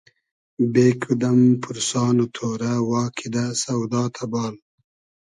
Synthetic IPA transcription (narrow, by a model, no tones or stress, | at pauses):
beːkʰud̪ɐmpʰuɾsɑːnut̪ʰoːɾawɑːkʰid̪asɐwd̪ɑːt̪ʰabɑːl